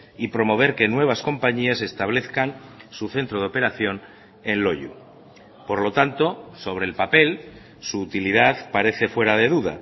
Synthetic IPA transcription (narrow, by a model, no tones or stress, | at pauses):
ipɾo̞mo̞β̞e̞ɾke̞nwe̞β̞asko̞mpaɲiase̞st̪aβ̞le̞θkansuθe̞nt̪ɾo̞ðo̞pe̞ɾaθjo̞n | e̞nlo̞ʎṵ | po̞ɾlo̞t̪ant̪o̞so̞β̞ɾe̞lpape̞l | suːt̪iliðaðpaɾe̞θe̞fwe̞ɾaðe̞ðuða̰